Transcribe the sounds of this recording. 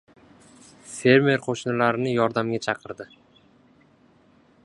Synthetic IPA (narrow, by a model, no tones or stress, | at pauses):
fe̞ɾme̞ɾqʰoʃnɪlaɾɪnɪjɒɾd̪amɡʲat͡ʃʰɑqʰɨɾd̪ɪ